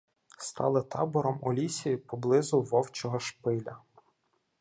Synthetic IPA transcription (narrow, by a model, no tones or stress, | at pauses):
st̪ɑ̰lˠɪt̪ʰɑ̰bɔɾɔmɔlʲisʲijipɔblˠɪzʊʋɔwt͡ʃɔɦɔʃpɪlʲɐ